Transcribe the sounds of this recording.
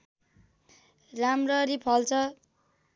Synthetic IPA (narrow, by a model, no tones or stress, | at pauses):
ramrʌɾipʰʌlt͡sʰʌ